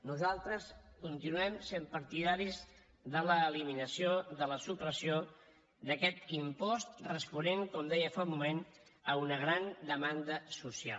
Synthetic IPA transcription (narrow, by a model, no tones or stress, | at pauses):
nuzalˠt̪ɾəskunt̪inuɛmsempəɾt̪iðaɾiz | ðələːliminəsioðələsupɾəsio | ðəkɛt̪impɔst̪rəspuneŋkɔmd̪ɛjəfalmumen | əunəɣ̞ɾand̪əmand̪əsusia̰l